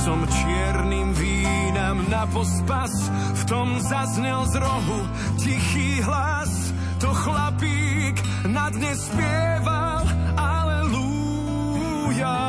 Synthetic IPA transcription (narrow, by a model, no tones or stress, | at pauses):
sɔmt͡ʃɪɛɾnimviː | namnapɔspas | ft̪ɔmzazɲɛlzɾɔɦu | cixiːɦla | s | t̪ɔxlapiː | k | nad̪ɲɛspɪɛva | l | alɛlu | ja